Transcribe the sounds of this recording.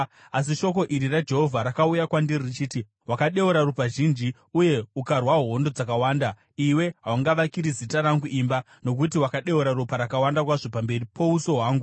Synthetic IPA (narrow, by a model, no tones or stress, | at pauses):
asiʃo̞ko̞ʔiɾirad͡ʒe̞ɦo̞vʱaɾakaujakwandiririt͡ʃiːti | wakaɗe̞uɾarupaʒind͡ʒi | uje̞ukarwaɦoɦondod͡zakawaːnda | iwe̞ɦawaŋɡaʋakiɾizitaɾaŋɡuʔiːmba | no̞k̬utiwakaɗe̞uɾaɾupaɾakawandakwaʐo̞pambe̞ripʰo̞uso̞ɦwaːŋɡu